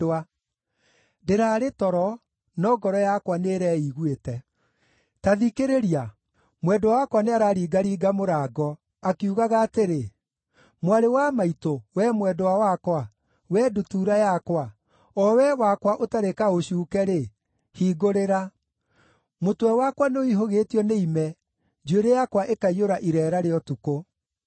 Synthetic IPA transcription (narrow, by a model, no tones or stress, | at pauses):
a | deɾaːɾetɔɾɔ | nɔɡɔɾɔjakwaneɾɛːiːɣwetɛ | taðikeɾeɾia | mwɛdwawakwaneaɾaɾiːɡaɾiːɡamoɾaːɡɔ | akuɣaɣaːteɾe | mwaɾewamaitowɛmwɛdɔwawakwa | wɛːdutuːɾajakwa | ɔwɛwakwaʔotaɾekaoʃuːkɛɾe | hiːɡoɾeɾa | motwɛwakwaneoiɦoɣeːtiɔneimɛ | d͡ʒeɾejakwaʔekaioɾaʔiɾɛːɾaɾeɔtuko